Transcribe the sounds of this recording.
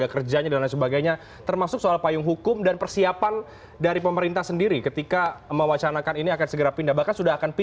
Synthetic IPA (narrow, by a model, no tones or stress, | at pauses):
akərd͡ʒaɲadandansəbaɡajɲa | t̪ərmasʊksoalpajʊŋɦukʊmdanpərsiapan | daɾipəməɾint̪ahsəndiɾikət̪ikaməwat͡ʃanakaniniakansəɡəɾapindahbahkansudaɦakanpi